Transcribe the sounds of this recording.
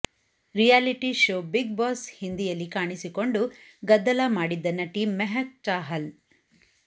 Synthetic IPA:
ɾijaːliʈiʃoːbiɡ̚baːshind̪ijɐlːikaːɳisiko̞ɳɖuɡɐd̪ːɐlɐmaːɽid̪ːɐnːɐʈiːmːeɦɐk̚t͡ʃaːɦɐl

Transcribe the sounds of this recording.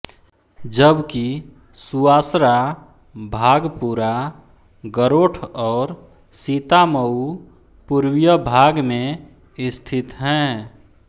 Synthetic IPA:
d͡ʒəbki | suaːsɾa | bʱaːɡpuɾa | ɡəɾoːʈʰɔːɾ | sit̪aməu | puɾwjəbʱaːɡmẽ | ɪst̪ʰɪt̪ɦɛ̃ː

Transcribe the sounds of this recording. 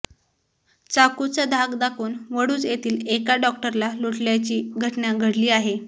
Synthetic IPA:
t͡sakut͡səd̪ʱaɡd̪akʰuːnʋəɽuːd͡zjet̪ʰiːlekaɖɔk̚ʈəɾlaluʈljat͡ɕiːɡʱəʈnaɡʱəɽliːaɦe

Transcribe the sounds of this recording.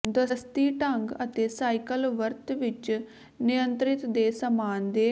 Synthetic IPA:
d̪əst̪iːʈəŋɡət̪eːsaːikəlʋəɾt̪ʋɪt͡ʃ | nɪjənt̪ɾɪt̪d̪eːsəmaːnd̪eː

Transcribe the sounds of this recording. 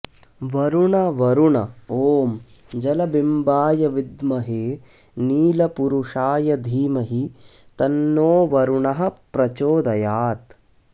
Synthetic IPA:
ʋɐɾuɳɐʋɐɾuɳɐoːm | d͡ʒɐlɐbimbaːjɐʋid̪mɐɦeː | niːlɐpuɾuʂaːjɐd̪ʱiːmɐɦit̪ɐnːoːʋɐɾuɳɐɦɐ̆pɾɐt͡ʃoːd̪ɐjaːt̪

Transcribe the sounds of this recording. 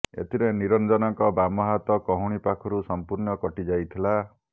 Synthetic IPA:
ḛt̪ʰiɾeniɾɔnd͡ʒɔnɔŋkɔbamɔɦat̪ɔkɔɦuɽ̃ipakʰɔɾusɔmpuɾnɔkɔʈid͡ʒajt̪ʰila

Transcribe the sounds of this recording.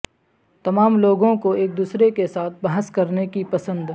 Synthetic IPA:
t̪ɐmaːmloːɡõkoeːk̚d̪uːsɾekesaːt̪̚ʰbɐɦəskɐɾnekipɐsə̃nd̪

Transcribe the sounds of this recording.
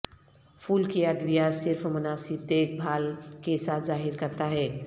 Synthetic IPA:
fʰuːlkiəd̪ʋijasɪɾfmʊnaːsɪb̚d̪eːk̚bʱaːlkesaːt̪ʰzaːɦɪɾkɐɾt̪aɦɛː

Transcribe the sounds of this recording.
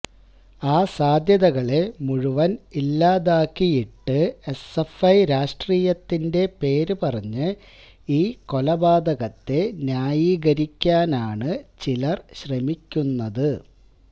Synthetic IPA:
aːsaːd̪ʱjɐðɐɣɐɭe̞muɻuʋɐnilːaːðaːkːijiʈːɨe̞sefɐjɾaːʂʈriːjɐt̪ːinde̞pe̞ːɾɨpɐrɐɲːɨ | iːko̞lɐbaːd̪ɐɣɐt̪ːe̞njaːjiːɣɐɾikʲːaːnaːɳɨt͡ɕilɐrɕrɐmikʲːunːɐðɨ

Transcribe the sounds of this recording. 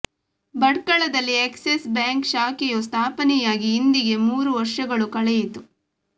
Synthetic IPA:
bɐɽkɐɭɐd̪ɐlːieksesbjaːŋkʃaːkɛjost̪ʰaːpɐnɛjaːɡiːnd̪iɡe̞muːɾuʋɐɾʂɐɡɐɭukɐɭɛjit̪u

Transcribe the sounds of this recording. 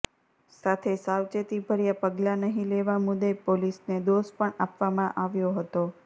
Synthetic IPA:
sat̪ʰesawt͡ʃet̪ibʱəɾjapəɡlanəɦĩleʋamʊd̪epolisned̪ospəɳapʋamãʔaʋjoɦət̪o

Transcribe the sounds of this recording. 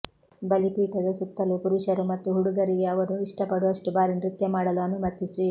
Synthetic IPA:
bɐlipiːʈɐd̪ɐsut̪ːɐlukuɾuʃɐɾumɐt̪ːuɦuɽuɡɐɾiɡeɐʋɐnuiʂʈɐpɐɽuɐʂʈubaːɾinɾut̪jɐmaːɽɐluɐnumɐt̪ːisi

